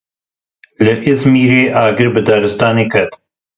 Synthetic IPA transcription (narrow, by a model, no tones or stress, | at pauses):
lɨʔɪzmiːɾeːʔaːɡɨɾbɨd̪aːɾɨst̪aːneːkʰɐt̪